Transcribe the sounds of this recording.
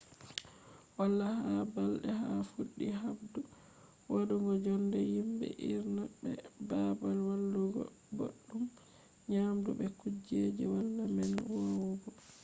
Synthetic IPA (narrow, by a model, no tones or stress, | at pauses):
walːahabalɗɛɦafuɗːiɦabdu | waduŋɡɔd͡ʒɔndɛjimbɛ̰ʔiɾnaɓɛbabalwalːuɡɔ̰ | bo̰ɗːum | ɲamdṵbɛkud͡ʒed͡ʒɛwalːamɛnwawuɡɔ